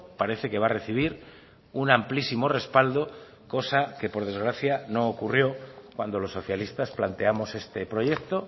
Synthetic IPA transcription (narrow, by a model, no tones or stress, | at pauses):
paɾe̞θe̞ke̞βare̞θiβ̞iɾ | unamplisimo̞re̞spald̪o̞ | ko̞sake̞po̞ɾð̞e̞zɣ̞ɾaθjano̞ːkurjo̞kwand̪o̞lo̞sːo̞θjalist̪asplant̪e̞amo̞se̞st̪e̞pɾo̞je̞k̚t̪o̞